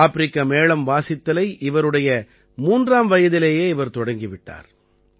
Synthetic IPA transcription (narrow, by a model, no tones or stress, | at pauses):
aːpɪɾɪkːɐmeːɭɐmʋaːsɪt̪ːɐlɐɪʔɪʋɐɾɯɽɐjɐ | muːndraːmʋɐjɐðɪleːjeːɪʋɐɾt̪ɔɽɐŋɡɪʋɪʈːa̰ːɾ